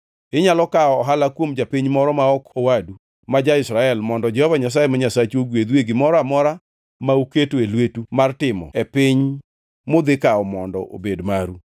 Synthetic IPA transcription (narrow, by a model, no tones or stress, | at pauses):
ɪɲalɔkaɔːɦalakwomd͡ʒapiɲmɔɾɔmaɔkowadu | mad͡ʒaɪsɾaɛlmɔndɔd͡ʒɛhɔvaɲas̬ajemaɲasat͡ʃoɡwed̪weɡɪmɔɾɔamɔɾa | mauketoelwetumartɪmɔ̰ɛpɪɲ | mod̪ɪkaɔmɔndɔ̰ʔo̰bedmaɾu